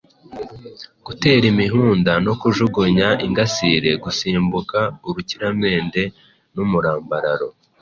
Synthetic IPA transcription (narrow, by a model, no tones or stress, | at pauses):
ɡ̥ute̞ːɾimiɦuːndano̞kuʒuɡuɲaiŋɡasiɾe̞ɡusiːmbukauɾuciɾame̞ːnde̞ | numuɾaːmbaɾaɾo̞